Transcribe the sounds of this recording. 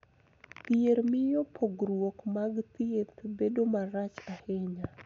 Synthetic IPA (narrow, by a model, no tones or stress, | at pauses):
t̪jeɾmɪjɔpʰoɡɾwokmaɡt̪jet̪bedomaɾat͡ʃahɪɲa